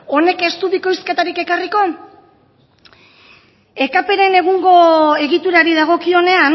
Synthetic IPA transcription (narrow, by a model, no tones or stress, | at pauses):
o̞ne̞ke̞st̪uβiko̞jske̞t̪aɾike̞kariko̞ | e̞kape̞ɾe̞ne̞ɣ̞uŋɡo̞e̞ɣit̪uɾaɾiðaɣ̞o̞kio̞ne̞an